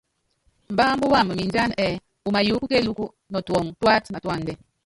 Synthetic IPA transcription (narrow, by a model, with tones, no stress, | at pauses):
m̩˨ba˦mbu˦wa˦˨m˨mi˨nd͡ʒa˦n˨ɛ˨ | u˨ma˨ju˦ku˦ke˦lu˦ku˦ | nɔ˨twɔ˨ŋtwa˦tma˨twa˦˨ndɛ˨